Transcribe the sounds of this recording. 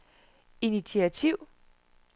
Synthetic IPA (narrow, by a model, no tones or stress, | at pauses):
init͡sʰiæt͡sʰiʊ̰